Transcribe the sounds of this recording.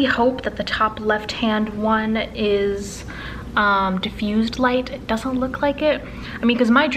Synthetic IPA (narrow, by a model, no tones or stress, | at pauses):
ihoʊp̚ðɨt̪̚ðɨtʰɑplɛft̚hæ̃nd̚wʌ̃nɪz̥ | ʌ̃mdɨfjʉzdˡlaɪtɨt̚d̥ʌzə̃nʔlʊkʰlaɪkɪt̚ | aɪmĩnkʌzmaɪd